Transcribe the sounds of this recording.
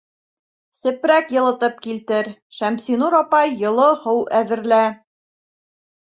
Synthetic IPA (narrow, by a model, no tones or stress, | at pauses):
sɘ̆pɾækjɤ̆lˠɤ̆t̪ɤp̚kilt̪ɘɾʃæmsinuɾɑpɑjːɤ̆lˠɤhɤwʔæðɘ̆ɾlæ